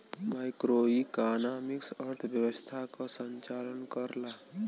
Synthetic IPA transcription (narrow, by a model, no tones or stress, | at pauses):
majkɾoːikaːnaːmɪksəɾt̪ʰbjəwəst̪ʰakasəɲt͡ʃaːlənkəɾla